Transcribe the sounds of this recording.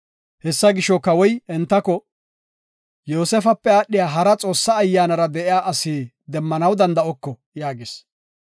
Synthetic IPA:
hɛsːɐɡɪʃɔkɐwɔjɛnt̪ːɐkɔ | joːsɛfɐpːɛaːɗɪjaːɦɐɾɐt͡sʼo̞ːsːɐːjːaːnɐɾɐd̪ɛʔɪjaːʔɐsiː | d̪ɛmːɐnɐwd̪ɐnd̪ɐʔɔkːɔ | jaːɡeːs

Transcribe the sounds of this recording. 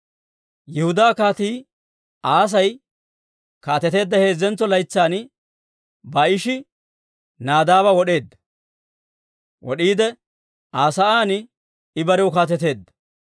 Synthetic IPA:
jɛhʊd̪aːkaːt̪iː | ʔaːs̬ɐj | kaːt̪ɛt̪e̞ːd̪ːɐhe̞ːzːɛnt͡sːɔlɐjt͡sːaːn | bɐɪʃɪ | naːd̪aːβɐwɔɗe̞ːd̪ːɐ | wʔɔ̰ɗiːd̪ɛ | aːsɐaːnɪ | ɪbɐɾɛwʊkaːt̪ɛt̪e̞ːd̪ːɐ

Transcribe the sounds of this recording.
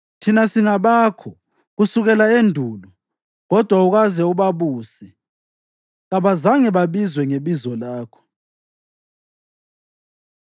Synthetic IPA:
tʰinasiŋaβaːkʰɔ | ɣusuɣɛlaendʱuːlɔ | ɣɔd̥ʱwauɣazɛuβaβuːsɛ | ɣaβazaŋɛβaβizwɛŋeβizɔlaːkʰɔ̥

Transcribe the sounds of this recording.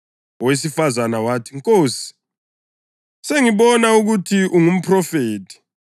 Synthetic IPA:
wes̬ifazanawaːtʰiŋkʼoːsi̥ | seŋiɓɔnauɣ̬utʰiʔuŋum̩pʰrɔfeːtʰi̥

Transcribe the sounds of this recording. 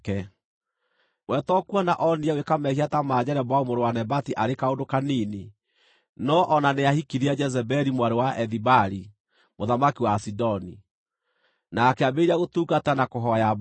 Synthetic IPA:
ɛ | wɛtɔkuɔnaʔɔniɛwekamɛhiatamaːd͡ʑɛɾɛbaumoɾewanɛbatiʔaɾekaodokanini | nɔʔɔnaneahikiɾiɛd͡ʒɛzɛbɛɾimwaɾewaʔɛðibaɾi | moðamakiwasidɔni | nakɛabeɾiaɣotuːɡatanakoɦɔjab

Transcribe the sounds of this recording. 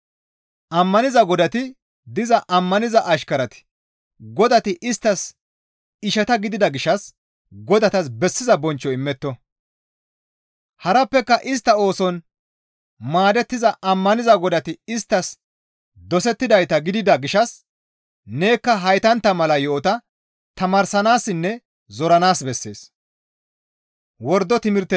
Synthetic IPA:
ʔɐmːɐnɪzɐɡɔd̪ɐt̪ɪ | d̪ɪzɐʔɐmːɐnɪzɐʔɐʃkɐɾɐt̪ɪ̥ | ɡɔd̪ɐt̪ɪʔɪst̪ːɐs | ɪʃɐt̪ɐɡɪd̪ɪd̪ɐɡɪʃɐs | ɡɔd̪ɐt̪ɐsbɛsːɪzɐbɔnt͡ʃːɔɪmːɛt̪ːɔ | hɐɾɐpːɛkːɐʔɪs̬t̪ːɐo̞ːsɔn | maːd̪ɛt̪ːɪzɐʔɐmːɐnɪzɐɡɔd̪ɐt̪ɪɪst̪ːɐs | d̪ɔsɛt̪ːɪd̪ɐjt̪ɐɡɪd̪ɪd̪ɐɡɪʃɐs | ne̞ːkːɐɦɐjt̪ɐnt̪ːɐmɐlɐjoːt̪ɐ | t̪ɐmaːɾsɐnaːsːɪnːɛ | zɔɾɐnaːsbɛsːe̞ːs | wɔɾd̪ːɔt̪ɪmɪɾt̪ːɛ

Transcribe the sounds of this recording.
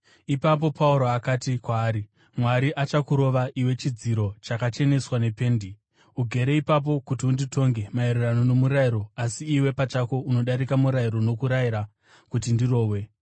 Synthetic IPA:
ipap̬o̞pauɾoakatikwaːɾi | mwaɾiʔat͡ʃakuɾo̞ʋaʔiwe̞t͡ʃid͡ziɾo̞t͡ʃakat͡ʃe̞ne̞swane̞pe̞ːndi | uɡʱe̞ɾe̞ipap̬o̞kutiundito̞ŋɡe̞maeɾerano̞no̞muɾaiɾo̞asiːwe̞pat͡ʃako̞uno̞ɗaɾikamuɾaiɾo̞no̞kuɾaiɾa | kutindiro̞ːwe̞

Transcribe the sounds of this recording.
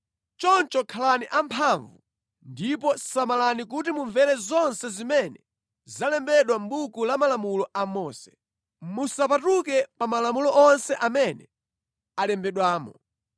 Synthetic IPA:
t͡ʃɔnt͡ʃɔkʰalaniʔampʰaɱvu | ndipɔsamalanik̬utimuɱvɛɾɛzɔnsɛzimɛnɛ | zalɛmbɛɗwambukulamalamulɔʔamɔːsɛ̥ | musapatukɛpamalamulɔʔɔnsɛʔamɛnɛ | alɛmbɛɗwaːmɔ

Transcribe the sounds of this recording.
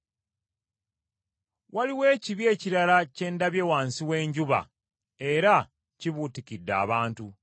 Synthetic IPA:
waliwe̞ːciβje̞ːciɾalace̞ːndaβje̞ːwaːnsiwe̞ːɲɟuβa̰ | e̞ɾa | ciβutikidːa̰ːβaːntu

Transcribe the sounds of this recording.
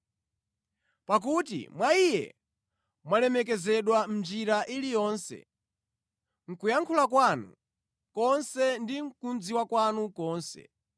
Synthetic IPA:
pak̬utḭmwaijɛ̰ | mwalɛmɛk̬ɛzɛɗwam̩d͡ʒiɾaʔilijɔːnsɛ̰ | ŋ̩kujaŋkʰulakwanṵ | kɔnsɛndiŋ̩kunziwakwanukɔːnsɛ̰

